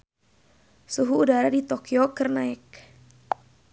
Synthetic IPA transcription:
suɦuːdaɾadit̪okiɔkərnaɛk̚

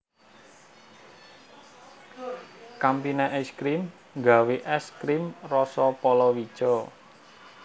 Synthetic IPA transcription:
kampinɛʔɛskɾim | ɡa̤weʔɛskɾimrɔsɔpɔlɔwi̥ʒ̥ɔ

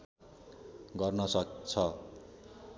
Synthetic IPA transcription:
ɡʌrnʌsʌt͡sʰʌ

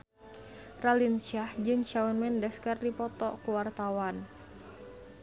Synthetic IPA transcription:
ralinsahd͡ʒɨŋʃaɔnmɛndɛskardipɔt̪ɔkuwart̪awan

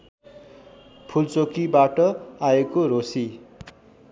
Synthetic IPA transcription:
pʰult͡sokibaʈʌaekoɾosi

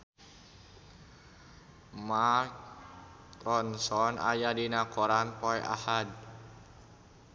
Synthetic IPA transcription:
mark̚ | rɔnsɔna̰jadinakɔɾanpɔɛʔa̰had̚

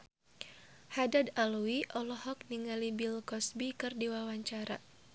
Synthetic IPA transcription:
hadadaluwiʔɔlɔhɔk̚niŋalibilkɔsbikɨrdiwawaɲt͡ʃaɾa̰

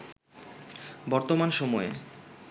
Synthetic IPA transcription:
bɔɾt̪omanʃɔmɔḛ

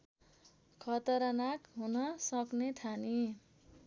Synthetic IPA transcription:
kʰʌt̪ʌɾʌnakɦunʌsʌknet̪ʰani

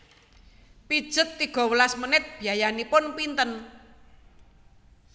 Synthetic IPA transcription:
pid̥ʒ̥ə̤t̪ːiɡ̥ɔ̤wəlasmənɪt̪̚b̥iajanipʊnpint̪ən

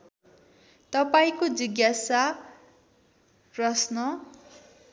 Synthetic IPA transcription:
t̪ʌpaĩkod͡ziɡjasa | rʌsnʌ

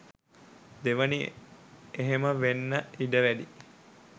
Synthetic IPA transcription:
d̪eʋəni | eɦeməʋenːəiɖəʋæɖi

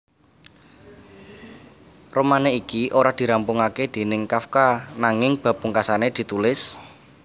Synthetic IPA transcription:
rəmaneikiʔoɾad̪̥i̤ɾampʊŋaked̪̥e̤nɪŋkafkanaŋɪŋb̥a̤puŋkasaned̪̥i̤t̪ulɪs

